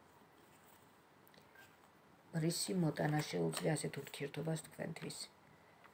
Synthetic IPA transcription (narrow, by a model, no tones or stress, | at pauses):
mɾisimɔt̪ʼanaʃɛubzzɛasɛt̪ʰuɾt̪ʰiɛɾt̪ʰɔbast̪ʰkʰwɛ̰nt̪ʰwis